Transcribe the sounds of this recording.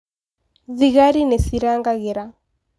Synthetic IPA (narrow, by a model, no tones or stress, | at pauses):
ðiɣaɾinɛsiɾaŋɡaɣɛɾa